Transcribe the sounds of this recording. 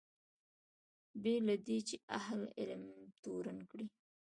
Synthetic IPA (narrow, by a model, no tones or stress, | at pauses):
belad̪et͡ʃeʔahlɪ̰lmt̪oɾankɽi